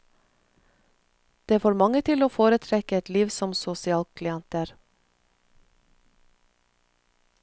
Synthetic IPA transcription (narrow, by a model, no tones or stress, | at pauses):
d̪̥eːæfoːɾmɑŋət̪ʰɪloːfoːɾət̪ʰɾɛkəɛt̪liːʋsɔmsʊsɪɑːlkʰlɪɛnt̪əɾ